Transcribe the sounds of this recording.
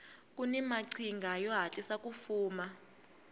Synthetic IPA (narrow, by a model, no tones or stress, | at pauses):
k̬ʼunɛmaǀʰiŋɡʱajɔɦat͡ɬʼisak̬ʼufuːma